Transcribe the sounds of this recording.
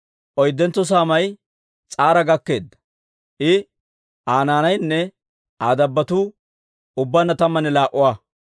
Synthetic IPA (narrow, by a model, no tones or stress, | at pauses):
ʔɔjd̪ːɛnt̪ːɔs̬aːmɐj | t͡sʼaːɾɐɡɐkːe̞ːd̪ːɐ̥ | ʔɪ | ʔaːnaːnɐjnːɛ | aːd̪ɐbːɐt̪uː | ʊbːanːɐt̪ɐmːɐnɛlaːʔʊwaː